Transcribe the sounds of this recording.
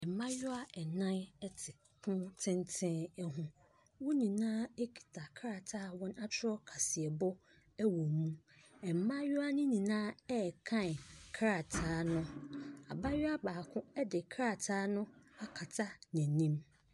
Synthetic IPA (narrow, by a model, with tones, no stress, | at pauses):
ɛ˨m˨mã˦jʊ˦a˦ɛ˨nã˦nɛ˦tʰɪ˨ | kʰʊ̃˦tʰɪ̃˦ntʰɪ̃˦ɛ˦ɦũ˦ | wʊ˦nĩ˨nãː˦ɛ˦kʰi̥˨tʰa˨kʰɾa˨tʰaː˦˨wɔ̃˦na˦t͡ɕʰɪ˦ɾɔ˦kʰa˨sɪ˨ɛ˨bɔ˦ | æ˦wɔ˨mũ˦ | ɛ˨m̩˨mã˦jʊ˦a˦nɪ̃˦nĩ˨nãː˦ɛ˦˨kʰã˦n˨kʰɾa˨tʰaː˦nʊ̃˦a̰˨ba˦jʊ˦a˦baː˨kʰʊ̃˦ɛ˦dɪ˨kʰɾa˨tʰaː˦nʊ̃˦a˦kʰa˨tʰa˦nɛ̃˨nĩ˦m